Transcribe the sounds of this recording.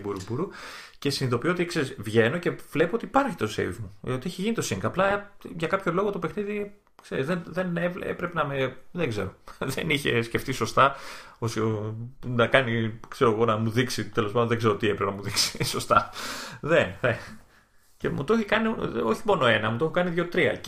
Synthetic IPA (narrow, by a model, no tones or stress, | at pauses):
buɾubuɾuce̞siniðo̞piot̪ikse̞ɾisvʝe̞no̞ce̞vle̞poot̪iːpɐɾçi̥t̪osḛvmuot̪ie̞çiʝinit̪osiŋɡɐplɐʝɐkɐpço̞lo̞ɣot̪opexniði | kse̞ɾizðenðenevḛpɾe̞penɐmeðeɡze̞ɾo̞ðe̞niçe̞̰sceft̪iso̞st̪ɐosionɐkɐnikse̞ɾo̞ɣo̞nɐmuðiksit̪e̞lo̞spaɐd̪onðeɡze̞ɾot̪iepɾepenɐmuðiksi̥so̞st̪ɐðenðe | cemṵt̪o̞çikɐnioçimo̞no̞e̞nɐmut̪o̞xokɐniðʝo̞t̪ɾiɐ̰